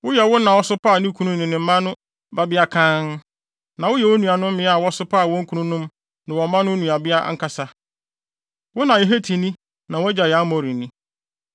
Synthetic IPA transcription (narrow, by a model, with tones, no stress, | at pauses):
wʊ˦jɛ˨wʊ˦nã˨wɔ˦sʊ˦pa˦˨nĩ˦kʰu˦nũ˦nɪ̃˨nɪ̃˨m̩˦mã˦nʊ̃˦ | ba˦bɪ˦a˦kʰã˦n | nã˨wʊ˦jɛ˨wo˦nũ˨a˨nʊ̃˦m̩ː˦mɪ̃˨˦a˨wɔ˦sʊ˦pa˦˨wɔ̃˦ŋ̩˦kʰu˨˦nũ˦nʊ̃˦m | nɪ̃˨wɔ˨˦mã˦nʊ̃˦nũ˨a˨bɪ˦a̰˦ŋ̩˦kʰa˨sa˦ | wʊ˦nã˨e˨ɦe˦tʰi˨nĩ˦ | nã˨wɔ˦d͡ʑa˨jɛ˨a˦mɔ˨ɾĩ˨nĩ˦